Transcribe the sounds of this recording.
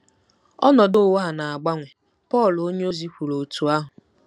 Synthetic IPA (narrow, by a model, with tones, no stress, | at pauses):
ɔ̰˦nɔ˨dʊ˦˨wa˦ɦa˨na˨a˨ɡ͡ba˦ŋʷe˨ | pɔ˦˨lo˦ɲe˦o˦zi˦kʷu˨ɾo˨tu˨a˦ɦʊ˨